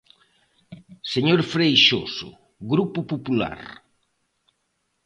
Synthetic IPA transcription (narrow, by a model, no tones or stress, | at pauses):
seɲoɾfɾejʃo̰sʊ̰ | ɣɾupʊpopula̰ɾ